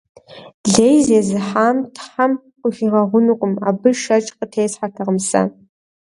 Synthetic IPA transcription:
ɮeːjzeːzɨħaːmtʰħam | qʷʼʊʒiʁɐʁʷʊnɨqʷʼʊma̰ːbɨʃɐt͡ʃʼqətʰeːsħatʰɐʁəmsɐ̰

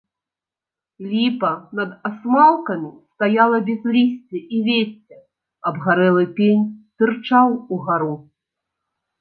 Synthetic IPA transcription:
lʲipɐnɐd̪asmalˠkɐmʲist̪ajalˠɐbʲɛzlʲisʲt͡sʲɛʔivʲesʲɛ | ɐbɣaɾɛlˠɨpʲenʲsʲɨrt͡ʂawuɣaɾu

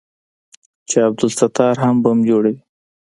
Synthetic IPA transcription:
t͡ʃeab̚d̪ʊlsat̪ɑɾɦambəmd͡ʒoɽawi

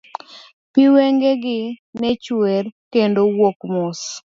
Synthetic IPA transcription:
piweŋɡeɡɪnɛt͡ʃwerkendowokmʊs

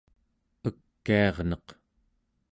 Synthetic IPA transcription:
əkːiɑʁnʌq

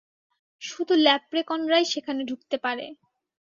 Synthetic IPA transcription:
ʃud̪ʱulɛpɾekɔnɾajʃekʰaneɖʱuk̚t̪epaɾḛ

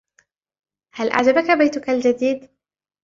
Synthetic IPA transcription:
halʔa̰ʕd͡ʒabakabajt̪ʊkald͡ʒad̪iːd̪

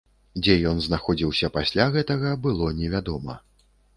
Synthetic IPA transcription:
d͡zʲɛjɔnznaxɔd͡zʲiwsʲɐpasʲlʲaɣɛt̪ɐɣɐbɨlˠɔnʲɛvʲad̪ɔmɐ̰

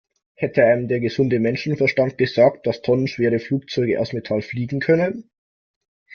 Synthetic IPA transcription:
hɛtʰəaɪnəmdeːɐɡəzʊndəmɛnʃn̩fɛɐʃtant̚ɡ̥əzaːkt̚d̥astʰɔnənʃv̥eːʁəfluːk̚t͡sɔʏɡəʔa̰ʊsmetʰalfliːɡŋ̩kʰœnən

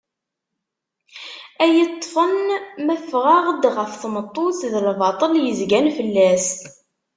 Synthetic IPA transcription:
æjət̪ˤːfənmæfʁaʁəd̪ʁəfθmət̪ˤːoθðəlvɑt̪ˤəljəzɡænfəlːæs

